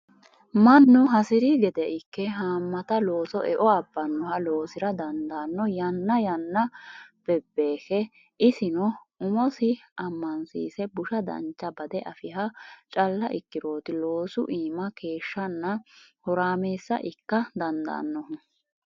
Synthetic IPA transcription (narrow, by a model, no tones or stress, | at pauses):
mɐnːʊɦɐsɪɾiɡɛd̪ɛʔɪkːɛɦaːmːɐt̪ɐlo̞ːsɔʔɛʔɔɐbːɐnːɔhɐlo̞ːsɪɾɐd̪ɐnd̪ɐnːɔjɐnːɐjɐnːɐb̥ɛbːeːxɛ | ʔɪsɪnɔ | ʊmɔsɪʔɐmːɐnsḭːsɛbʊʃɐd̪ɐ̰nt͡ʃːɐbɐd̪ɛʔɐfɪɦɐt͡ʃʼɐlːɐʔɪkːɪɾo̞ːt̪ɪlo̞ːsʊ̰ʔiːmɐke̞ːʃːɐnːɐhɔɾaːme̞ːsːɐ̰ʔɪkːɐd̪ɐnd̪ɐ̰ːnːɔh